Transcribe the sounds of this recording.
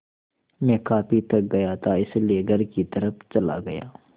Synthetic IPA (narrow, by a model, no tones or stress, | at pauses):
mɛ̃ːkaːpit̪ɐk̚ɡɐjat̪ʰaɪslieɡʱɐɾkit̪ɐɾəpt͡ʃɐla̰ɡɐja̰ː